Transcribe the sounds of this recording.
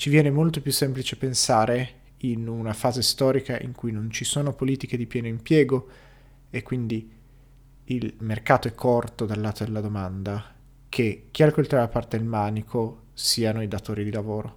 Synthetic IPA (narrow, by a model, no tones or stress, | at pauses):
t͡ʃivjɛːnemolt̪opjusːemplit͡ʃepensaːɾe | inunafaːzest̪ɔːɾikaʔḭŋkujnont͡ʃisoːnopoliːt̪iked̪ipjɛːnoimpjɛːɡo | ekːwind̪i | ilmerkaːt̪oɛkʰːort̪od̪alːaːt̪od̪elːad̪omand̪a | kʰek̟ːialkolt̪uɾaapart̪ed̪elmaːnikʰo | siːanoid̪at̪oːɾid̪ilavoːɾo